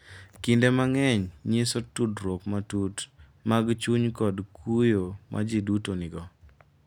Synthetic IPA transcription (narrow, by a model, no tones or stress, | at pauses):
kindemaŋɛɲɲesotudɾwokmatut | maɡt͡ʃuɲkɔdkʰujomʔa̰d͡ʒidutonɪɡɔ